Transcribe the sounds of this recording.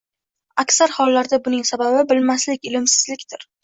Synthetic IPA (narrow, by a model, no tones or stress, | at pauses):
akʲsaɾhɒlːaɾd̪abʊnɪŋsababɪbɪlmaslɪkʲɪlɪmsɪzlɪkʲt̪ɪɾ